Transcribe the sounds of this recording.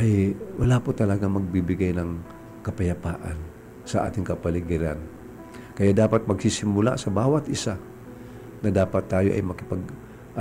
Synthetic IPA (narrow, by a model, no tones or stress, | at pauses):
ʔɐjwɐlaːpʊt̪ɐlɐɡaŋmɐɡ̚bibɪɡajnɐŋ | kɐpɐjɐpaːʔa̰n | sɐʔa̰ːt̪ɪŋkɐpɐlɪɡɪɾan | kɐjaʔd̪aːpat̪̚mɐɡsisɪmʊla̰sɐbaːwɐt̪ʔɪsa | nɐd̪aːpat̪ːaːjo̞ʔɐ̰jmɐkɪpɐɡ̚ | ʔ